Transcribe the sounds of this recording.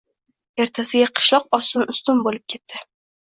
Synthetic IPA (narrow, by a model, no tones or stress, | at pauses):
e̞ɾt̪ʰasɪɡʲaqʰɨ̥ʃlˠɒq̚ɒsʊnʊst̪ʊnbolɪp̚kʲʰe̞t̪ʰːɪ